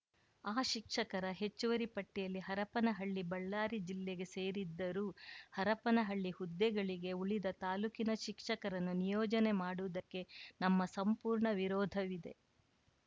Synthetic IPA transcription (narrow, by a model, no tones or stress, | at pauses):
aːʃikʂɐkɐɾɐɦe̞t͡ʃːuʋɐɾipɐʈːijɐlːiɦɐɾɐpɐnɐɦɐɭːibɐɭːaːɾid͡ʒilːeɡe̞seːɾid̪ːɐɾuːhɐɾɐpɐnɐɦɐɭːihud̪ːɛɡɐɭiɡe̞uɭid̪ɐt̪aːluːkinɐʃikʂɐkɐɾɐnːunijɔːd͡ʒɐne̞maːɽuʋɐd̪ɐkːe̞nɐmːɐsɐmpuːɾɳɐʋiɾɔːd̪ʱɐʋid̪e̞̰